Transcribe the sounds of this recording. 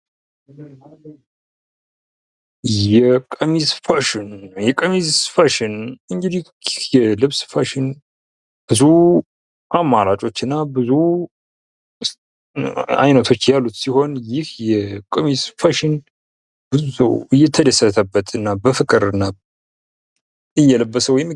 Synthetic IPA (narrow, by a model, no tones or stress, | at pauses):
jɛkʼəmizfaʃɪnjɛkʼəmizfaʃɪnɨŋɡɨd̪i | hjɛlɨβsfaʃɪn | b̥ɨzu | ʔamːaɾat͡ʃʼo̞t͡ʃːɨnːabɨzu | a̰jnət̪ʰo̞t͡ʃːjalːut̪siho̞njɪhjɛkʼəmizfaʃɪn | bɨzusə̰wɨjːɛt̪ʰəd̪əsət̪ʰəbət̪ʰɨnːabəfɨkʼɨɾɨnːa | ɨjːɛləbːəsəwjɛm